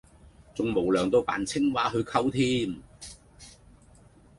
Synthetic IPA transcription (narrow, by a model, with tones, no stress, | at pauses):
t͡sʊ˨ŋmo˨˩wlœː˨˩ŋt̪o˧wpa̰ː˨˩nt͡sʰɪ˥ŋwaː˨˥ɦɵ˨˧ɥkʰɐ˥wt̪ʰiː˥m